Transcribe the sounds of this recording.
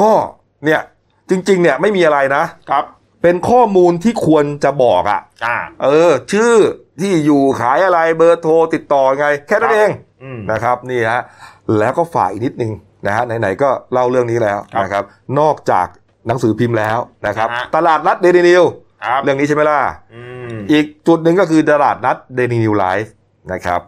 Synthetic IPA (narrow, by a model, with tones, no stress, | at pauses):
kɔː˥˩ | ni˥˩ɐ | t͡ɕi˧ŋt͡ɕi˧ŋni˥˩ɐma˥˩jmiː˧ʔa˧ɾa˧jna˦˥˦ | pe˧nkʰɔː˥˩muː˧nt̪ʰiː˥˩kʰu˧ənt͡ɕa˨˩bɔː˨˩k̚ʔa̰˨˩ʔʔɤː˧t͡ɕʰɯː˥˩t̪ʰiː˥˩juː˨˩kʰaː˩˦jʔa˧ɾa˧jbɤː˧t̪ʰoː˧t̪i˨˩t̪ːɔː˨˩a˧ŋa˧jkʰɛː˥˩na˥˩nʔeː˧ŋ | na˦˥kʰɾa˦˥p̚niː˥˩ha˦˥lɛː˦˥wkɔː˥˩fa̰ː˨˩k̚ʔi˨˩ni˦˥t̪̚nɯ˨˧ŋ | na˦˥ha˦˥na˧jna˩˦jkɔː˥˩la˥˩wɾɯ˥˩əŋniː˦˥lɛː˦˥wna˦˥kʰa˦˥p̚nɔː˥˩k̚t͡ɕa̰ː˨˩k̚ | na˩˦ŋsɯː˩˦pʰi˧mlɛː˦˥wna˦˥kʰɾa˦˥t̪a˧laː˨˩t̪̚la˦˥t̪̚deː˧ni˧ni˧w | ɾɯ˥˩əŋi˦˥t͡ɕʰa˥˩ma˥˩laː˥˩ | ʔiː˨˩k̚t͡ɕu˨˩t̪̚nɯ˨˧ŋkɔː˥˩kʰɯː˧t̪a˧laː˨˩t̪̚na˦˥t̪̚deː˧ni˧ni˧wla˦˥j | na˦˥kʰa̰˦˥p̚